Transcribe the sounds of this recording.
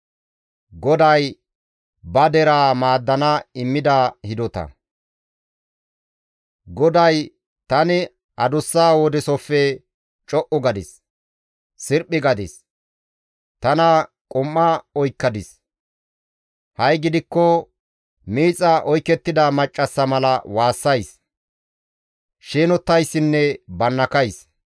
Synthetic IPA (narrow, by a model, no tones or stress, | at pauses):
ɡɔd̪ɐj | bɐd̪ɛɾaːmaːd̪ːɐnɐɪmːɪd̪ahɪd̪ɔt̪ɐ̰ | ɡɔd̪ɐj | t̪ɐnɪ | ɐd̪ʊsːaːwɔd̪ɪsɔfːɛ | t͡ʃʼɔʔʊɡɐd̪ɪsː | ɪɾpʼːɪɡɐd̪ɪs | t̪ɐna | kʼʊmːaɔjkːɐd̪ɪs | hɐjɡɪd̪ɪkːɔ | miːt͡sʼːɐʔɔjkːɛt̪ːɪd̪amɐt͡ʃʼːɐsːɐmɐlɐwaːsːɐjs | ʃiːnɔt̪ːɐjsːɪnːɛbɐnːɐkɐjs